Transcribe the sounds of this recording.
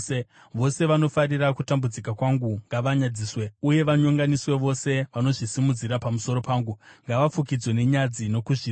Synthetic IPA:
ʋo̞se̞ʋano̞faɾirakutambud͡zikakwaŋɡuŋɡaʋaɲad͡ziːswe̞uje̞ʋaɲoŋɡaniswe̞ʋo̞se̞ʋano̞ʐisimud͡ziɾapamuso̞ɾo̞paːŋɡuŋɡaʋafukid͡zwe̞ne̞ɲad͡zino̞kuʐi

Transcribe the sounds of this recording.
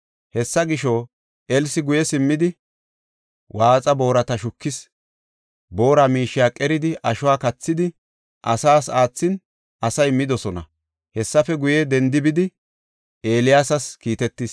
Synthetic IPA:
hɛsːɐɡɪʃo | ɛlsɪɡʊjɛsɪmːɪd̪ɪ | wʔaːt͡sʼɐbo̞ːɾɐt̪ɐʃʊkːɪs | bo̞ːɾamiːʃɪjaːkʼɛɾɪd̪ɪʔɐʃʊwaːkɐt͡sːɪd̪ɪ | ʔɐsaːsaːt͡sːɪn | ɐsɐjmːɪd̪ɔsɔnɐ̰ | hɛsːɐfɛɡʊjɛd̪ɛnd̪ɪbɪd̪ɪ | eːlɪjaːsɐskiːt̪ɛt̪ːis

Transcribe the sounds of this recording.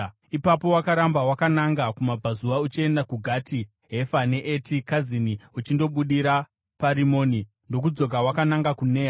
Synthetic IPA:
ipapo̞wakaɾambawakanaŋɡakumabʱazuʋaut͡ʃie̞ndakuɡʱati | ɦe̞fane̞ʔetikaziniut͡ʃindo̞ɓuɗiɾa | paɾimo̞ːni | ndo̞k̬ud͡zo̞kawakanaŋɡakune̞ːa

